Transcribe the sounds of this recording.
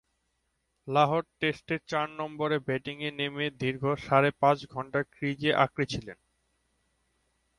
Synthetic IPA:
laɦoʈ̚ʈesʈeɾt͡ɕaɾnɔmboɾebɛʈiŋenemed̪iɾɡʱoʃaɾepãt͡ɕɡʱɔɳʈaɾkɾid͡ʑeʔakɾit͡ɕʰilen

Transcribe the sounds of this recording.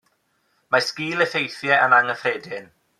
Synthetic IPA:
maskiːlˠəθejθjɛʔənaŋəfreːdɪn

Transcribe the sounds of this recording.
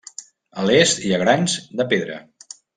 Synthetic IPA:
əlest̪iaɣɾanzd̪əpeðɾə̰

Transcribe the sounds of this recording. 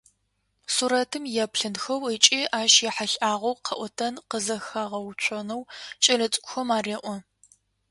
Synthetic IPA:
suɾɐtʰɨmjɛpɬɨnxɐwət͡ʃʼiːʔaːʃjɛħaɬʼaːʁʷɐwqʰɐʔʷɔtʰɐnqəzɐxaʁɐwt͡ʃʷʰɔnɐwt͡ʃʼɐɮɐt͡sʼkʷʊxɐmaːreːʔʷɔ

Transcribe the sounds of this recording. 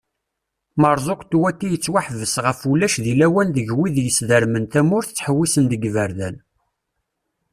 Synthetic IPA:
məɾˤzˤoqt̪wækːijət͡sːwaħvəsʁəfulːæʃðilæwænðəʝwiðjəsðəɾmənt̪æmʊɾθət͡sːħəwːisənd̪əɡvəɾðæl

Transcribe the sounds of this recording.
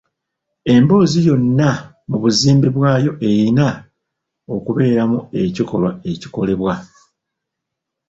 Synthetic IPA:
e̞mbo̞ːzijo̞nːa | muβuziːmbiβwaːjo̞ʔe̞jina | o̞kuβe̞ːɾamue̞ciko̞lwae̞ci̥ko̞le̞βwa

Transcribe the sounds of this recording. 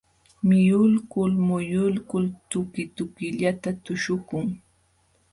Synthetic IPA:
mɪjʊlkʊlmʊjʊlkʊlt̪ʊkɪt̪ʊkɪʎat̪at̪ʊʃʊkʊŋ

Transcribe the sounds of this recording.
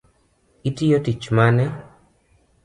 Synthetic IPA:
itijotit͡ʃmanɛ

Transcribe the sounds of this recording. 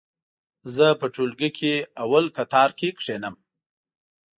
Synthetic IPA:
zəpəʈolɡikʰeawalkat̪ɑɾkekʂenəm

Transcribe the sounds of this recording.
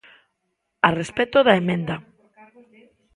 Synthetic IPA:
arespet̪oðaemẽnd̪a

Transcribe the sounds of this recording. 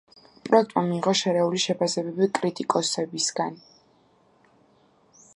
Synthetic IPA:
pʼɾɔɛkt̪ʼmamiːʁɔʃɛɾɛuliʃɛpʰasɛbɛbikʼɾit̪ʼikʼɔsɛbisɡan

